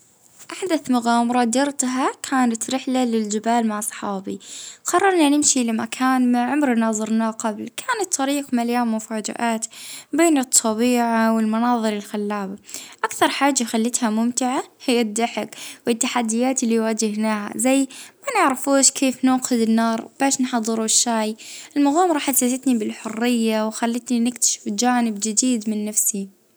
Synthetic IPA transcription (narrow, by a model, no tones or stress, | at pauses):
ʔaħd̪aθmʊɣaːmɑɾˤɑd̪ɑɾt̪ɦakʰaːnat̪ɾɪħlalɪld͡ʒɪbaːlmaʕsˤɑ̥ħɑːbḭqɑrˤːɑɾˤnanɪmʃilamakʰaːnmaʕʊmɾnɑːzˤɨɾnaqablkʰaːnat̪ʰˤːɑɾiːqmaljaːmːʊfaːd͡ʒɪ̰ʔaːt̪beːnɨt̪ˤʰːɑbiːʕawɪlmɑnɑːðˤɨɾɪlxalːaːbaʔakθɑɾˤħaːd͡ʒːaxalːɪt̪hamʊmt̪ɪʕahɪjːad̪ːaħɪkwɪt̪ːaħad̪ːɪjaːt̪ɪlːiwaːd͡ʒɪhnaːha̰zajːmanɪʕɾafuːʃkʰeːfnuːqɪd̪ɪnːɑːɾˤb̥aːʃnħɑd̪ˤːɨɾuʃːaːjʔɪlmʊɣuːmɾˤɑːħasːasɪt̪nibɪlħʊrːɪjːawxalːɪt̪ninɪkt̪ḁʃɪ̥fd͡ʒaːnɪbd͡ʒɪd̪iːd̪mɪnːafsi